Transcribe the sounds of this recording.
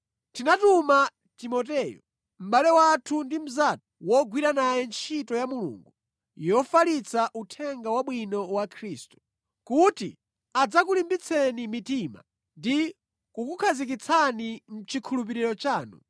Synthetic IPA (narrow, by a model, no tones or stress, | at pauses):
tinatuma | timɔt̬ɛːjɔ̰ | m̩ɓalɛwatʰundim̩zatɔ̥wɔɡwiɾanajɛnt͡ʃʰitɔjamulṵːŋɡu | jɔfalit͡saʔutʰɛŋɡawaɓwinɔwakʰɾiːstu̥ | kutḭ | ad͡zakulimbit͡sʰɛnimitima̰ | ndi | kukukʰazik̬it͡sʰanim̩t͡ʃʰikʰulup̬iɾiɾɔt͡ʃaːnṵ